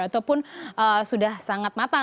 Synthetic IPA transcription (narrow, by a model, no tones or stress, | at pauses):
at̪awpʊnʔəsudahsaŋat̪̚mat̪a